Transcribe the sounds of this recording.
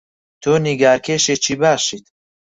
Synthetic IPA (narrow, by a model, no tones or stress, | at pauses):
t̪ʰoːniɡaːɾkʰeːʃet͡ʃʰiːbaːʃit̪̚